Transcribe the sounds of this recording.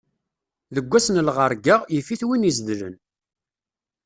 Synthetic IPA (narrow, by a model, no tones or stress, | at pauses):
ðəɡʷːæsnlʁəɾˤɡaʁjəfiθwinizðlə̰n